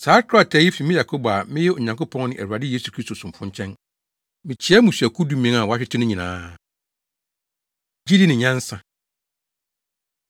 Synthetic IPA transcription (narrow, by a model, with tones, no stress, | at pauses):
saː˨˦kʰa˨tʰɛ˨˦ɪ˦fi˨mɪ̃˦ja˨kʰo˦ba˨mɪ̃˦jɛ˦o˨ɲã˨ŋko˦pʰɔ̃˦ŋnɪ̃˦ʔæ̰˨wu˨a˨dɪ˦je˦su˨kʰɾi˦sto˨sʊ̃˨m̩˨fʊ̃˦ɲt͡ɕʰɛ̃˦n | mɪ̃˨t͡ɕʰɪ˨˦ɛ˦mũ˨si˨æ˨kʰu˦du˦mɪ̃˦ã˨wɔ˨a˦ɕᶣɪ˦tʰɪ˦nʊ̃˦ɲĩ˨nãː˨˦ | d͡ʑi˦di˦nɪ̃˨ɲã˦n˦sã˨